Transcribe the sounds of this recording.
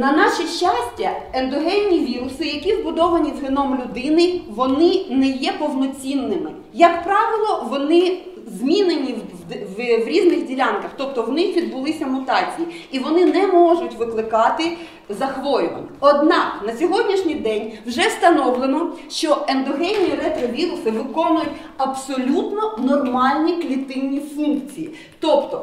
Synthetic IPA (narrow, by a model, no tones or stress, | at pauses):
nɐnɑʃiʃt͡ʃɑsʲtʲɐend̪ɔɦɛnʲːiʋʲiɾʊsɪjɐkʲizbʊd̪ɔʋɐnʲizɦɪnɔmlʲʊd̪ɪnɪʋɔnɪnɛjɛpɔwnɔt͡sʲinːɪmɪ | jɐkpɾɑʋɪlˠɔʋɔnɪ | zmʲinenʲi | ʋʋɾʲiznɪxdʲilʲɑnkɐxt̪ɔp̚t̪ɔwnɪxʋʲid̪̚bʊlˠɪsʲɐmʊt̪ɑt͡sʲijiiʋɔnɪnɛmɔʒʊtʲʋɪklˠɪkɑt̪ɪ | zɐxʋɔjʊʋɐ̰nʲɛɔd̪nɑknɐsʲɔɦɔdʲnʲiʃnʲɪjd̪ɛnʲwʒɛst̪ɐnɔwlˠenɔʃt͡ʃɔend̪ɔɦɛnʲiiɾɛt̪ɾɐʋʲiɾʊsɪʋɪkɔnʊjʊtʲ | ɐpsɔlʲut̪nɔnɔrmɑlʲnʲiklʲit̪ɪwnʲːifunkt͡sʲiji | t̪ɔpt̪ɔ